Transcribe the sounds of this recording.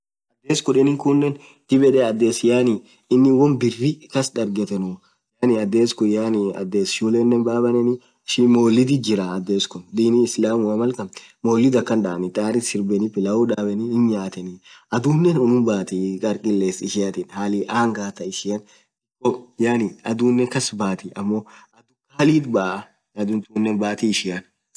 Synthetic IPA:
ɐd̪ːeːskʊᶑɛnɪŋkʊnːɛn | t̪ɪbɛᶑɛɐd̪ːeːsjaːnɪ | ɪnːɪwɔnbɪrːɪkɐsᶑɐɾɡɛt̪ɛnʊ | janɪɐd̪ːeːskʊjaːniɐ̰d̪ːeːsjuleːnːɛnbaːbɐnɛnɪ | ɪʃimoːlːɪd̪ɪd͡ʒɪɾɐːd̪ːeːskʊnd̪iːniɪslaːmʊɐmɐlkɐmmoːlːɪd̪ɐkːɐnᶑaɐnɪt̪ʼaːɾɪsɪɾbɛnɪfɪlɐʊᶑaːbɛnɪɪnɲaːt̪ɛniʔɐd̪uːnːɛnɔnʊmbaːt̪iːkʼɐɾkʼɪlːeːsɪʃɪjat̪ɪnhaːlɪʔaːŋɡaːt̪ɐɪʃɪjɐn | kːɔjaːnɪɐd̪uːnːɛŋkɐsbaːt̪iʔɐmːoɐd̪ʊkɐɐliːt̪baːʔɐ | ɐd̪ʊnt̪unːɛnbaːt̪iɪʃɪjɐn

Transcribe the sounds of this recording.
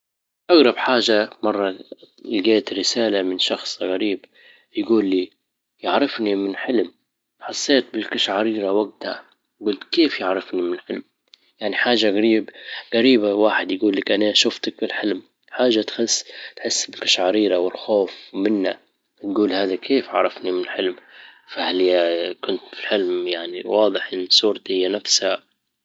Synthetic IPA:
ʔaɣɾˤɑbħaːʒamɑrˤːɑ | lɡeːt̪ɾɪsaːlamɪnʃɑxsˤɣaɾiːb | jɡuːlːiː | jɪʕɾɪfnimɪnħɪlm | ħɑsˤːeːt̪̚bɪlkaʃʕaɾiːɾawaɡ̚t̪ha̰ | ɡʊːlt̪keːfjɪʕɾɪfnimɪnħɪlm | jaʕniħaːʒaɣaɾiːbɣaɾiːbawaːħɪd̪jɡuːlːakʔanaʃʊft̪ak̚bɪlħɪlm | ħaːʒat̪xɪsːt̪ħɪsːbɪlkḁʃʕɑɾiːɾawɪlxoːfmɪnːa | t̪ɡuːlhaːðakʰeːfʕɑ̰ɾˤɑfnimɪnɪlħɪlmfahaljakʊnt̪filħɪlmjaʕniwɑːd̪ˤɨħʔɪnːsˤuːɾt̪hɪjːanafsha

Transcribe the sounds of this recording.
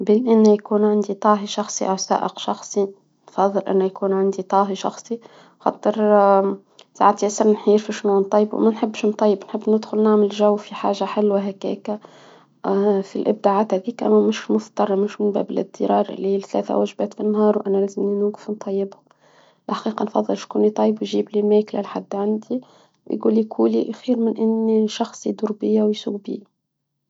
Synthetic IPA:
bɪnʔɪnːæjkuːnʕand̪it̪ˤɑːɦiʃɑxsˤiʔawsa̰ːʔəqʃɑxsˤi | nfɑðˤːɨlʔɪ̰nːæjkuːnʕand̪it̪ˤɑːɦiʃɑ̰xsˤi | xɑ̰t̪ˤːɨɾ | sa̰ʕt̪iʔæsɑɾˤnħiːɾfiʃnuːnt̪ˤːɑjːbw̰mænħɪbːʃnt̪ˤɑjːɪbnħəbːnɪd̪xʊlnaʕməlʒæwːfiħa̰ːʒaħɪlwaɦækæ̰ːkæ | filʔɪb̚d̪aʕaːt̪hæðiːkʔæ̰mmɪʃmʊft̪ɑɾˤːɑmɪʃmʊnbæ̰bɪlʔɪb̚t̪ːiɾɑːɾˤʔɪ̰lːiiːlθlæ̰ːθæ̰wæʒbæːt̪finːhɑːɾˤwʔænælæːzɪmninuːɡɪ̥fnt̪ˤɑjːɪbhʊm | lʔħḁqiːqɑnfɑðˤːəlʃkunit̪ˤɑjːəbwjʒiːblimæklæ̰lħad̪ːʕand̪i | wjɡṵːlikʰuːliʔæxiːɾmɪnʔɪnːiʃɑxsˤid̪uɾbɪjːawjsuːɡbḭː

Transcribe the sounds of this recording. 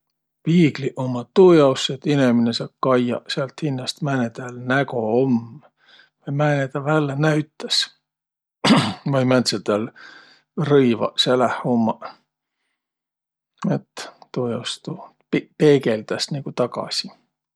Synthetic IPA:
piːɡliʔomːɑt̪ːuːjɑwset̪ineminesɑːb̥̚kɑjjɑ̰seɑlt̪hinːɑst̪mænet̪ælnækoom | vɑjmænet̪ɑvælːenæɥt̪ːˑɑs | vɑjmænt̪set̪æl | rɤjvɑ̰selæhumːɑ | et̪ːuːjɑwst̪u | peːɡeld̪̥ɑsniɡ̥ut̪ɑɡɑ̰si

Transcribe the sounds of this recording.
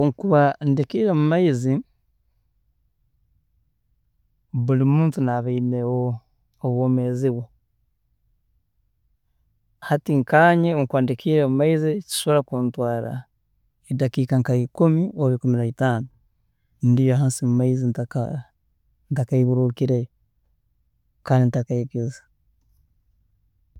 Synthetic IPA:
oŋkuβandikiɾemumaizi | βulimuːntunaβainewoː | βwoːmeziwo | hatiŋkaːɲeoŋkuβandikʰiːɾemumaizici̥ʃooɾakuːntwaːɾa̰ | edakiːkaŋkaikumioβikuminaitaːno | ndijoɦaːnsimumaizintaa | ntakaiβuɾukiɾe | kaːndintakaikezḁ

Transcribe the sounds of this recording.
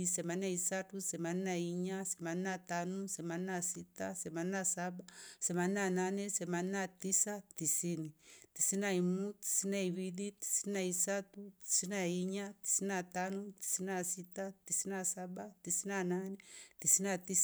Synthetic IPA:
isɛmanaisatusɛmaninaiɲasɛmaninatanusɛmaninasitasɛmaninasabasɛmannananɛsɛmaninatisatisinitisinaimuti̥sinaiwiliti̥sinaisatuti̥sinaiɲati̥sinatanuti̥siniasitatisinasaɓatisinananɛtisinatis

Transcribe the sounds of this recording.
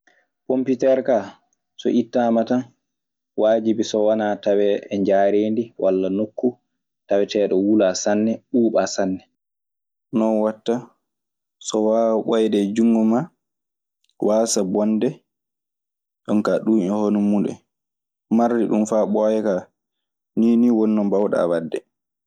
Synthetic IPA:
pomputɛɾka | sɔ̰ʔitːamatan | waːd͡ʒibisɔwanatawɛɛɲd͡ʒaːɾeːndiwʔalːanokːu | tawɛtɛːɗɔwulasanːɛɗuːɓasanːɛ | nɔnwatːa | sɔwaɓɔjdɛd͡ʒuŋːɡɔma | wasabɔndɛ | ɗɔnkaɗuːɔhonumuɗɛ̰ | maɾdiɗumfaɓɔjɛka | niːniwɔnːɔmbawɗa̰wadːɛ̰

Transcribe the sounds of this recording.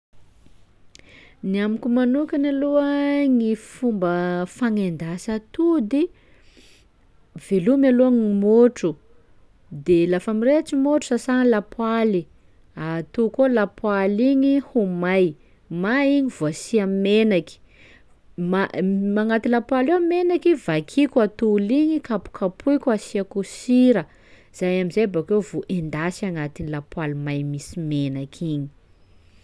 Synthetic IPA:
niamikʲumanukʲanaloəŋifumbəfaŋend̪asat̪ud̪i | velumialoaŋimoʈ͡ʂu | d̪elafamiret͡ʃimoʈ͡ʂu̥sasaŋlapwali | at̪ukolapwaliɲihumaj | maiɲiv̥uasiammenaki̥ | mamaŋat̪ilapwalewmenakivakʰikʲwat̪uliɲikapu̥kʰapʰujkʲuasiakusiɾə | z̥ajamizajabakewvoʔend̪asaŋat̪inilapwalimajmisimenakʰiɲi̥

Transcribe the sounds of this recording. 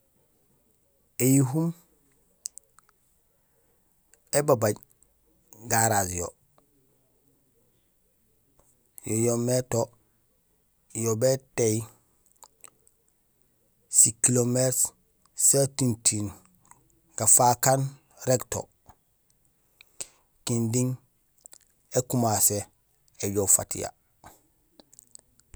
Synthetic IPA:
ejiɦum | ebabaɟ | ɡaɾazjo̰ | jojometo | jobeteji | sikilomet | setintʰin | ɡ̥afakan | ɾekto̰ | kindiŋ | ekumase | eɟofa̰tḭja̰

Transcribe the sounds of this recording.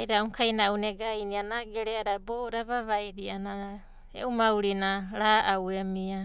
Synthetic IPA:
ajɾauŋkʰajnauneɡajnianaɡeɾeaɾaboɾaβaβajɾiana | ḛumawɾinaɾaʔawemia

